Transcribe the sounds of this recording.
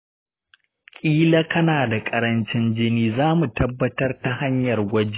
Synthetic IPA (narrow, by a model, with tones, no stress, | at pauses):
kʲʼiː˦la˦kɐ˦naː˨da˨kʼɐ˨ɾɐ˦nt͡ʃɪ˦nd͡ʒɪ˦niː˦zaː˦mu˨tɐ˦bːɐ˦tɐ˦rta˨ha˦ɲjɐ˨rɡʷɐ˦d͡ʒe˦